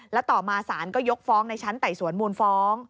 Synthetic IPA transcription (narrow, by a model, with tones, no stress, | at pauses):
lɛ˦˥wt̪ɔː˨˩maː˧saː˩˦nkɔː˥˩jo˦˥k̚fɔː˦˥ŋna˧jt͡ɕʰa˦˥nt̪a˨˩jsu˨˩˦ənmuː˧nfɔː˦˥ŋ